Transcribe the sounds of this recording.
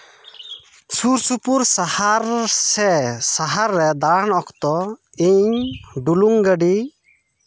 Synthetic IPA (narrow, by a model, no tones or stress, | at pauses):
suɾsupuɾsahaɾsɛsaɦaɾːɛd̪aɳɔkʰt̪ɔ | iɲɖuluŋɡəɖi